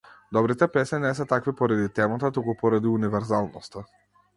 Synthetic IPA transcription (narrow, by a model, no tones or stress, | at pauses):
d̪ɔbɾit̪ɛpɛsɛnɛsɛt̪akvipɔɾad̪it̪ɛmat̪at̪ukupɔɾad̪iunivɛɾzalˠnɔst̪a